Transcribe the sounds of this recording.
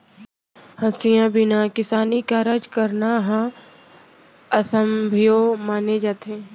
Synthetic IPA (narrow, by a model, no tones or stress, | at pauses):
hɐ̃sijãbɪnakɪsaːnikaɾəd͡ʒkəɾnaɦã | ɐsəmbʱijomaːned͡ʒaːt̪ɦẽː